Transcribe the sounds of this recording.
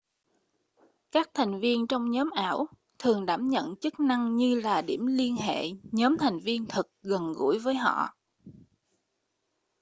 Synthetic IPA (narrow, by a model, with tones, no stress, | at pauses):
kaː˦˥k̚t̪ʰa˨˩jŋ̟vi˧ənt͡ɕɔ˧wŋ͡mɲɔ˨˦mʔaː˧˩w | t̪ʰɨ˨˩əŋɗaː˧˩mɲə̰˧˨nt͡ɕɨ˦˥k̚na˧ŋɲɨ˧laː˨˩ɗi˧˩əmli˧ənɦḛ˧˨ɲɔː˨˦mt̪ʰa˨˩jŋ̟vi˧ənt̪ʰɨ˨˩k̚ɣə˨˩nɣṵ˧˩˥jvəː˨˦jɦɔ̰˧˨